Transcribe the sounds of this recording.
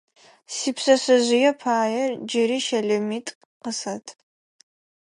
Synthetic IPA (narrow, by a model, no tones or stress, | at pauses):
sipsɐsɐʑɪjɛpʰaːjɛrd͡ʒɪɾiːʃɐɮɐmitʼ | qəsɐtʰ